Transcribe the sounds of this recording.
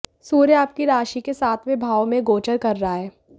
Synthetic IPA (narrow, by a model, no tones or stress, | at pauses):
suːɾjaːp̚kiɾaːʃikesaːt̪ʰmẽbʱaːʋomẽɡoːt͡ʃəɾkɐɾːaɦaɦɛː